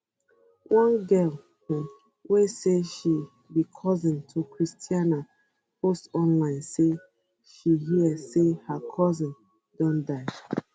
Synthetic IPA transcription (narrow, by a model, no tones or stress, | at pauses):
wʔãnɡɜl | weseʃi | bikʰɔzĩntʰukʰɹistʰiana | postɔ̃nlãɪ̃nse | ʃiɦiəsehakʰɔzĩn | dɔ̃ndaʃ